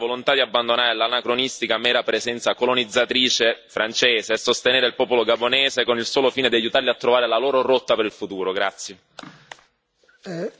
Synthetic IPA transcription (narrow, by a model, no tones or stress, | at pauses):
volont̪ad̪iabːand̪onaːɾelanakɾonist̪ikamɛːɾapɾezɛnt̪sakolonid̪zːat̪ɾiːt͡ʃefɾʔant͡ʃɛːzeasːost̪eneːɾeilpɔːpoloɡabonɛːzekonilsoːlofiːned̪iajut̪arliat̪ːɾovaːɾelaloːɾoɾot̪ːapeɾilfut̪uːɾoɡɾat̪sːje